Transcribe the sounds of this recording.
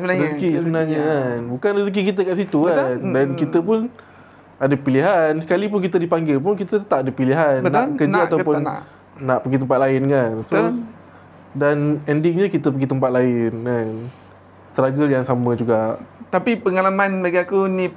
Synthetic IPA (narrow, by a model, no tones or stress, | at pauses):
səbənaɾiskissəbənaɲəkanbukanrisk̬ikit̪̬əkaʔsit̪ukandankit̪əp̬ʊn | adəpiliɦansə̥kalip̬ʊnkit̪ədipaŋɡɪlp̬ʊnkit̪ət̪aʔadəpiliɦanəːaəkərnd͡ʒaaawp̬ʊnː | aʔpəɡit̪əmpat̪̚laɪnkansa | danɛndɪŋɲəkit̪əp̬əɡit̪əmpat̪̚laɪnkan | st̪əɾaɡəljaŋsamə̃d͡ʒuɡaʔt̪apipəŋalamanbaɡiakuni